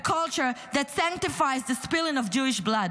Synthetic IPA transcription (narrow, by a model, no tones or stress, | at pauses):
kʰʌlˠt͡ʃə˞ðætsæ̃ŋk̚tɨfaɪzðɨspɪlˠɪ̃ŋʌvd͡ʒuɪʃblʌd̚